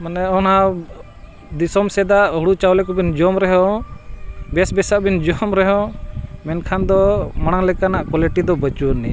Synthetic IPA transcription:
manɛɔna | d̪isɔmsɛd̪aʔɦuɽut͡ʃawlɛkɔbind͡ʒɔmɾɛɦɔ̃ | bɛsbɛsaʔbind͡ʒɔmɾɛɦɔ̃mɛnkʰand̪ɔmaɽ̃aŋlɛkanaʔkwɔlɛʈid̪ɔbət͡ʃunḭ

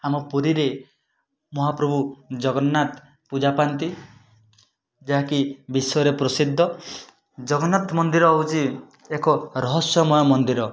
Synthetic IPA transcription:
amɔpuɾiɾe | mɔɦapɾɔbʱud͡ʒɔɡɔnːat̪ | pud͡ʒapant̪i | d͡ʒaɦakibisɔjɔɾepɾɔsid̪ʱːɔ | d͡ʒɔɡɔnːat̪mɔnd̪iɾɔːut͡ʃi | ekɔɾɔɦɔsjɔmɔjɔmɔnd̪iɾɔ

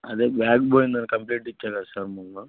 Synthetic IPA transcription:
ɐd̪eːbaːkboːjnnaːnkɐmpliːʈit͡ʃːaːkasaɾmɐnːu

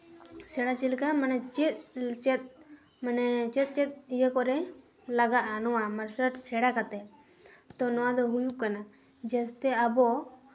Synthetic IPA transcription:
sɛɽat͡ʃilkamanɛt͡ʃit̪̚t͡ʃɛt̪̚ | manɛt͡ʃɛt̪̚ˀt͡ʃɛt̪̚ˀijəkɔɾɛ | laɡaʔanɔwamaɾsəʈsɛɽakat̪ɛ | t̪ɔnɔwad̪ɔɦujuʔkana | d͡ʒɛst̪ɛabɔ

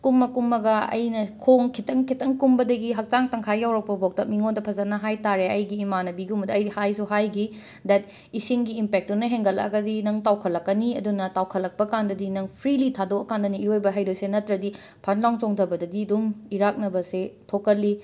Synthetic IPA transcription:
kumːɐkumːɐɡɐɐ̰jnɐkʰoŋkʰitɐŋkʰitɐŋkumbɐdɐɡiɦɐk̚t͡ʃaŋtɐŋkʰajjawɾɐk̚pɐbok̚tɐmiŋondɐpʰɐzɐnɐɦajtaɾeɐjɡiːmanɐbiɡumbɐdɐɐjhajsuɦajɡi | dɛt̚ | isiŋɡiːmpek̚tunɐɦeŋɡɐlɐ̰ɡɐdinɐŋtawkʰɐlːɐkːɐniɐdunɐtawkʰɐlːɐk̚pɐkandɐdinɐŋpʰɾilitʰadokɐkandɐniːɾojbɐɦɐjdojsenɐtɾɐdi | pʰɐnlawŋtoŋtʰɐbɐdɐdiɐdumiɾak̚nɐbɐsetʰokɐlːi

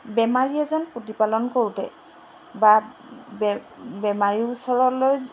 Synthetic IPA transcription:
bɛmaɹiɛzɔnpotipalɔnkoɹutɛ̰ | babbɛmaɹiusɔɹɔloj

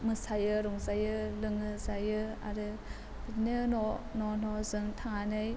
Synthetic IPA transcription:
mɯsajɯɾuŋzajɯlɯŋɯzajɯa̰ɾɯ | bitnɯnɔnɔnɔzɯŋtʰaŋanɯj

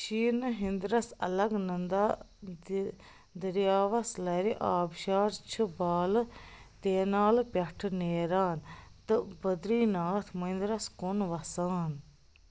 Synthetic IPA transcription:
ʃiːnɨɦĩnd̪ɾɐsɐ̰lɐɡnɐnd̪aː | d̪əɾjaːʋɐslɐɾiʔaːbʃaːɾt͡ʃʰɨbaːlt̪eːnaːlpʲɐʈʰneːɾaːnt̪ɨbəd̪ɾiːnaːt̪ʰmɐind̪ɾɐskonʋɐsaːn

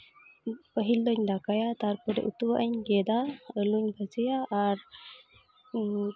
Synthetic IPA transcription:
pəɦild̪ɔɲd̪akajat̪aɾpɔɾɛ̰ʔut̪uwaʔəɲɡɛd̪aəluɲbəd͡ʒəjaːɾ

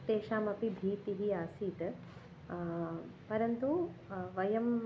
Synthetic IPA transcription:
t̪eːʃaːmɐpibʱiːt̪iɦiaːsiːt̪ | pɐɾɐnt̪uʋɐjɐm

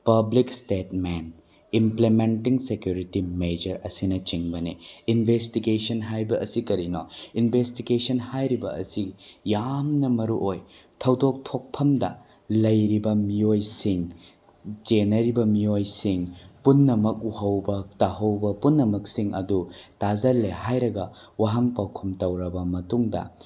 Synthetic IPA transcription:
pɐblikstetmen | implementiŋsekjuɾitimed͡ʒɐɾɐsinɐt͡ʃiŋbɐniinbʱestiɡesɐnɦajbɐʔɐsikɐɾino̰inbʱestiɡesɐnhajɾibɐɐ̰sijamnɐmɐɾuʔoj | tʰɐwdok̚tʰok̚pʰɐmdɐ̰ | lɐjɾibɐmiojsiŋ | t͡ʃenɐɾibɐmiojsiŋpunːɐmɐk̚uhɐwbɐtaɦɐwbɐpunːɐmɐksiŋɐ̰dutazɐlːehajɾɐɡɐ | waɦɐŋpawkʰumtɐwɾɐbɐmɐtuŋdɐ̰

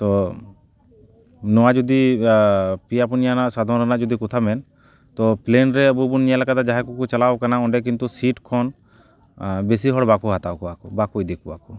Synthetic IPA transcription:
t̪ɔ | nɔwad͡ʒɔd̪i | piapɔnijanaʔsad̪ʱɔnɾanaʔd͡ʒɔd̪ikɔt̪ʰabɛn | t̪ɔplenɾɛəbubunːijalakad̪ad͡ʒaɦɛkukut͡ʃalawkanaɔɳɖɛk̬int̪usiʈkʰɔn | bes̬iɦɔɽbakuɦat̪awkuakubakujd̪ɛkua̰ku

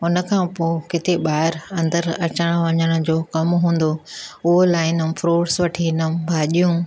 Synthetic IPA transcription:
ʊnə̆kʰãːpoːkɪt̪eɓaːɦɪɾɐ̃nd̪əɾɐt͡ɕəɽ̃ʋɐɲəɽ̃ʊ̆d͡ʑoːkɐmɦũːn̆d̪oʊɦolaːɪnəfʰɾoːɽsʋɐʈʰinəbʱaːʄijũ

